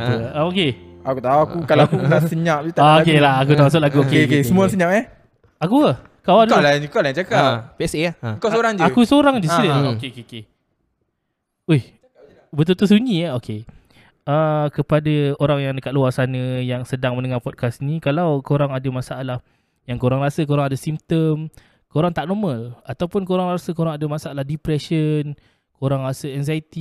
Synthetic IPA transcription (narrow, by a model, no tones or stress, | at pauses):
t̪uaokeakut̪awakukalaakunasəɲaʔ̚ut̪aokelahakut̪aasʊt̪laɡuokekesəmus̬əɲaʔɛ | akuə | kawandualanukaʔlajĩt͡ʃakaʔpeɛsekasoɾaŋd͡ʒuakusoɾaŋd͡ʒiiləokeokeoke | uj | bət̪̬ut̪us̬uɲĩaokʰe | əkəpadaoɾaŋjaŋdəkat̪̚luarsanəjaŋsədaŋmə̃nəŋarpɔd̚kasnikalawkoɾaŋadəmasaalah | jaŋkoɾaŋɾasak̬oɾaŋadasimt̪əm | koɾaŋt̪aʔ̚nɔmə̃lat̪awpʊnkoɾaŋrasəkoɾaŋadamasaalahdipɾɛʃən | koɾaŋrasaɛŋzajit̪i